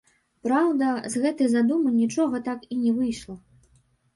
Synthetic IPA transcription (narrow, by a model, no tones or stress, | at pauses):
pɾawd̪ɐzɣɛt̪ɨjzad̪umɨnʲit͡ʂɔɣɐt̪akinʲɛvɨjʂlˠɐ